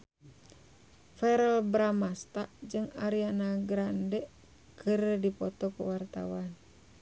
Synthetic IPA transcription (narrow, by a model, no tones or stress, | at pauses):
fɛɾɛlbɾamast̪aʔd͡ʒɨŋaɾianaɡɾandɛ | kʰɨrdipɔt̪ɔkuwart̪awan